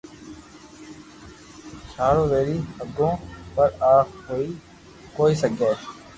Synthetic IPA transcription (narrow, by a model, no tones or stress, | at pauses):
t͡ʃʰaːɾõːʋeːɾiːhəɡõːpəɾaːkɦoːiː | koːiːsəɡʱeː